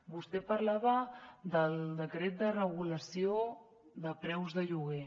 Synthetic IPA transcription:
bust̪ɛpəɾlaβəd̪əlˠd̪əkɾet̪̚d̪ərəɣuləsio | ðəpɾɛwzðəʎuɣe

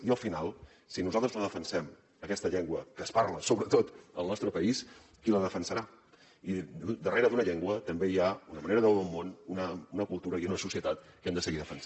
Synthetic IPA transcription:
iəlˠfinalˠ | sinuzalˠt̪ɾəzləðəfənsɛm | əkɛst̪əʎeŋɡwəkəspaɾləsoβɾət̪ot̪əlˠnɔst̪ɾəpəis | kiləðəfənsəɾa | id̪əreɾəðunəʎeŋɡwət̪əmbejaunəməneɾəðəolˠmonunəunəkulˠt̪uɾəiunəsusiət̪at̪̚kɛmd̪əsəɣiðəfəns

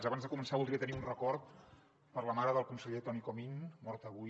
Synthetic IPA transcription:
zəβanzðəkumənsaβulˠd̪ɾiət̪əniunrəkɔɾt̪ | pəɾləmaɾəðəlˠkunsəʎet̪ɔnikominmɔɾt̪əβu

